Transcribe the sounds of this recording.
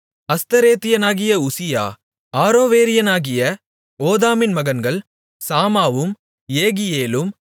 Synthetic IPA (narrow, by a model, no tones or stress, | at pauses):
ɐst̪ɐɾeːt̪ɪjɐnaːɣɪjɐʊsɪja̰ː | aːɾoːʋeːɾɪjɐnaːɣɪjɐ | oːðaːmɪnmɐɣɐnɡɐɭ | saːmaːʋɯm | jeːɣɪjeːlɯm